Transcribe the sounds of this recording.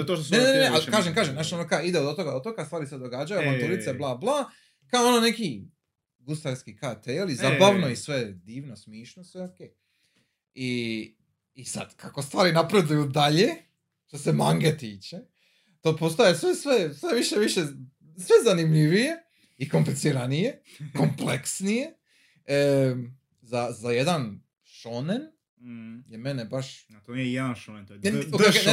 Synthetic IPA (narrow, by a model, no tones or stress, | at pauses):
ot̪onenenenealkaːʒemkaːʒemnaʃonokaid̪eod̪ot̪oɡad̪ot̪okast̪ʋaːɾised̪o̞ɡad͡ʒajuaʋant̪elit̪seblˠaːblaː | kaoonone̞ki | ɡust̪aɾskikat̪eːlizabaʋno̞isʋed̪iːʋnosmjiːʃnosʋeokej | i | isa̰d̪̥kako̞st̪ʋaːɾinapɾe̞d̪ujud̪aʎe | ʃt̪osemaŋɡet̪iːt͡ʃe | t̪oːpo̞st̪oajesʋesʋesʋeʋiʃeʋiʃe | sʋezanimʎiʋije̞ | iko̞mplensiɾanije̞ | kompleksnije | ə | zazajed̪an | ʃonen | jemenebaʃat̪omijejed̪anʃonent̪o